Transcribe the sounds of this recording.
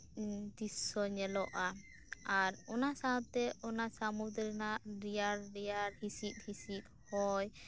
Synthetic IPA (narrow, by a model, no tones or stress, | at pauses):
d̪isɔɲɛlɔʔa | aɾɔnasaɔt̪ɛʔɔnasamud̪ɾinaʔɾijaɾɾijaɾhisit̪̚ˀhisit̪̚hɔj